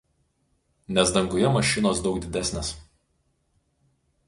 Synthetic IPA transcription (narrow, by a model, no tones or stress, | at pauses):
nʲɛsd̪ɐŋɡʊjɛmɐʃʲɪnoːsd̪ɒʊɡ̚d̪ʲɪd̪ʲæsʲnʲeːs